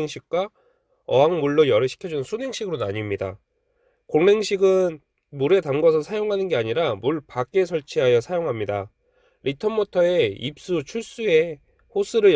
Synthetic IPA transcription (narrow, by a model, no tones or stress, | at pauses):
ŋɕʰik̚k͈wa | ʌɦaŋmuɭːojʌɾɯɕʰi̥kʰjʌd͡ʑunɯnsʰune̞ŋɕʰiɡɯɾonaɲimɲida̰ | koŋne̞ŋɕʰiɡɯn | muɾe̞tamɡʌsʰʌsʰajoŋɦanɯnɡe̞aɲiɾamuɭpak͈e̞sʰʌɭt͡ɕʰiɦajʌsʰajoŋɦamɲida | ɾʔitʰʌmːotʰʌe̞ip̚s͈ut͡ɕʰuɭs͈ue̞ | hos͈ʰɯɾɯj